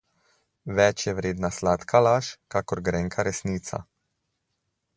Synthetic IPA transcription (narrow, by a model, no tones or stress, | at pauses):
ʋɛt͡ʃjɛʋɾeːd̪naslaːt̪kʰalaːʃkakɔɾɡɾɛŋkʰaɾɛsniːt̪sa̰